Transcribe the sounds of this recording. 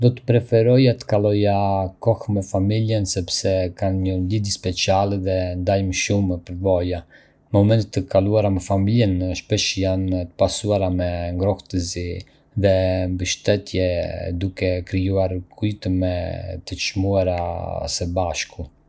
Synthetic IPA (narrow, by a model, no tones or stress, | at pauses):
d̪ɔt̪ə̥pɾɛfɛɾɔjat̪ə̥kalˠɔjakɔxmɛfamiljənsɛpsɛkanɲəlid̪spɛt͡sialɛðɛnd̪ajmʃumpəɾvɔja | mɔmɛnt̪ət̪ːəkaluaɾamɛfamiljɛnʃpɛʃjant̪ə̥pasuaɾamɛŋɡɾɔht̪əzi | ðɛmbəʃt̪ɛt̪jɛd̪ukɛkɾijuaɾkʰujt̪əmɛt̪ət͡ʃmuaɾasɛbaʃku